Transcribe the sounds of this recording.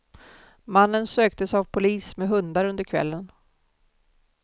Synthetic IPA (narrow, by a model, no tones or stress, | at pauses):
manːənsøːk̚t̪əsavpʰʊliːsmɛɦɵnd̪aɾɵnd̪əɾkʰvɛ̰lːən